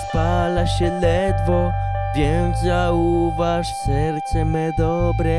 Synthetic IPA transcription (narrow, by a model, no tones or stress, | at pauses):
palaɕɛlɛd̪vo | vʲjɛnzauvaʂsɛɾt̪sɛmɛd̪ɔbɾɛ